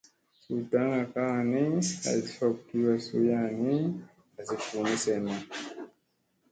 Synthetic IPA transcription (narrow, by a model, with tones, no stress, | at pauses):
su˨ta˦ŋɡa˨ka˦˨ni˦a̰˨zi˨fɔ˨ki˦wa˨su˦ja˦ni˦ | a˨zi˨fu˨ni˦sɛ˨na˨